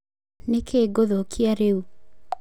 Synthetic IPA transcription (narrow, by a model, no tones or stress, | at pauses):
nekʰeːɡoðokʰiaɾeu